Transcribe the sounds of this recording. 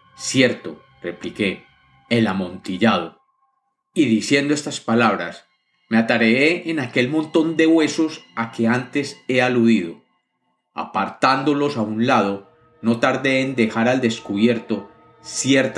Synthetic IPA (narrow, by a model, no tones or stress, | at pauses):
sje̞ɾt̪o̞ | re̞plike̞ː | lamõ̞nt̪iʝað̞o̞ | iðisje̞nd̪o̞e̞st̪aspalaβ̞ɾas | meat̪aɾeeenake̞lmõ̞nt̪o̞nd̪e̞ɣwe̞so̞sake̞ant̪e̞se̞aluðiðo̞̰ | a̰paɾt̪and̪o̞lo̞saunlaðo̞ | no̞t̪aɾðe̞ːnd̪e̞xaɾald̪e̞skuβje̞ɾt̪o̞ | sjeɾt̪